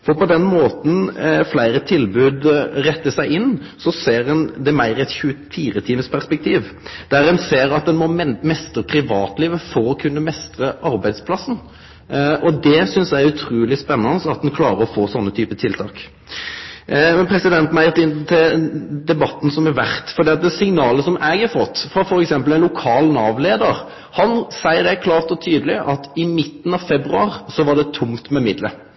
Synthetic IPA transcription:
fɔɾpɔd̪ɛnmoːt̪n̩flæɪɾət̪ʰɪlbʉːd̪ɾɛt̪ːəsæɪɪnː | sɔseːɾɛnd̪ɛmæɪɾɪɛt̪çʉəfiːɾət̪ʰiːməspʰæʁspɛk̚t̪ʰiːʋd̪̥æɾɛnseːɾɑt̪̚d̪ɛnmɔmɛst̪ɾəpʰɾɪʋɑːt̪liːʋəfɔɾɔkʰʉnːəmɛst̪ɾəʔɑɾbæɪd̪spʰlɑsn̩ | ʔɔd̪ɛsʏnsjæɪʉt̪ʰɾuːlɪspɛnːɑnəsɑt̪̚d̪ɛnkʰlɑːɾəɔfoːsɔnːət̪ʰyːpət̪ʰɪlt̪ʰɑːk | mɛnpʰɾɛsɪd̪ɛnt̪mæɪət̪ɪnt̪ʰɪd̪ɛbɑt̪ːn̩sɔmæɾʋæʁt̪fɔɾd̪iːɑt̪̚d̪ɛsɪŋnɑːləsɔmɛɡhɑɾfɔt̪ːfʁɑfɔɾɛksɛmpəlæɪnlʊkʰɑːlnɑʋleːd̪əɾ | hɑnsæɪəd̪ɛkʰlɑːʁt̪ɔt̪ʰyːd̪əlɪʔɑt̪ɪmɪt̪ːn̩ɑʋfɛbɾʉɑːɾsɔʋɑd̪ɛt̪ʰʊmt̪mɛmɪd̪lə̰

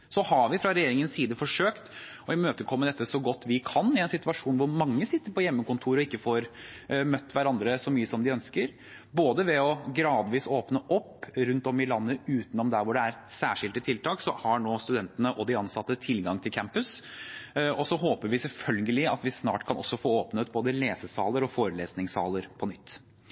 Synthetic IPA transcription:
sɔhɑɾʋɪfɾɑɾɛjeːɾɪŋənsiːd̪əfɔʂøːkt̪ | ɔɪmøːt̪əkʰɔmːəd̪ɛt̪ːəsɔɡɔt̪ːʋɪkʰɑnːɪɛnsɪt̪ʉʋɑʂuːnʋʊɾmɑŋːəsɪt̪ːəɾpʰɔjɛmːəkʊnt̪ʰuːɾɔɪkːəfɔɾmœt̪ːʋæɾɑnd̪ɾəsɔmyːəsɔmd̪ɪœnskəɾ | boːd̪əʋɛɔɡɾɑːd̪ʋiːsoːpnəʔɔpːɾʉnt̪ɔmɪlɑnːəʉːt̪nɔmd̪æɾʋʊɖɛæɾsæːʂɪld̪ət̪ʰɪlt̪ʰɑːksɔhɑɳoːst̪ʉd̪ɛnt̪ənəʔɔd̪ɪɑnsɑt̪ːət̪ʰɪlɡɑŋt̪ʰɪlkʰæmpʉs | ɔsɔɦoːpəɾʋɪsɛlfœlɡəlɪɑ̰t̪ʋɪsnɑ̰ːʈkʰɑnʔɔ̰sːɔfoːoːpnət̪̚boːd̪əleːsəsɑːləɾɔfoːɾəleːsnɪŋsɑ̰ːləɾpʰɔnʏt̪ː

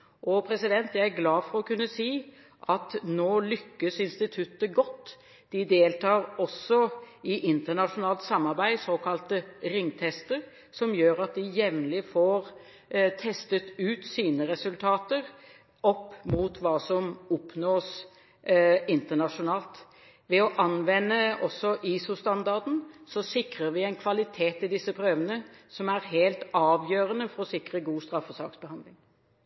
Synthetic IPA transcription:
ʔɔpʰɾɛsɪd̪ɛnt̪jæɪæɾɡlɑːfɔɾɔkʰʉnːəsiː | ʔɑt̪noːlʏkːəsɪnst̪ɪt̪ʰʉt̪ːəɡɔt̪ː | d̪̥ɪd̪eːlt̪ɑːɾɔsɔɪʔɪnt̪əɳɑʂʊnɑːlt̪sɑmːɑɾbæɪsoːkʰɑlt̪əɾɪŋːt̪ʰɛst̪əɾ | sɔmjøːɾɑt̪̚d̪ɪjɛʋnlɪfoːɾ | t̪ʰɛst̪ət̪ʉːt̪siːnəɾɛsʉlt̪ʰɑːt̪əɾ | ɔpːmuːt̪ʰʋɑːsɔmɔpːnoːs | ɪnt̪əɳɑʂʊnɑːlt̪ | ʋɛɔʔɑnʋɛnːəɔsːɔʔiːsʊst̪ɑnd̪ɑʁd̪n̩sɔsɪkɾəɾʋɪɛɪnkʰʋɑlɪt̪ʰeːt̪ɪd̪ɪsːəpʰɾøːʋənəsɔmæɾɦeːlt̪ɑːʋjøːɾənəfɔɾɔsɪkɾəɡuːst̪ɾɑfɔsɑ̰ːksbəhɑnd̪lɪŋ

